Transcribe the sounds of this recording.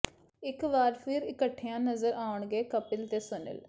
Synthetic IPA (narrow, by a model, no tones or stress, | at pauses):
ɪkʋaːɾpʰɪɾɪkəʈʰːɪjãːnəzəɾaːʊɳɡeːkəpɪlt̪eːsʊnə̰l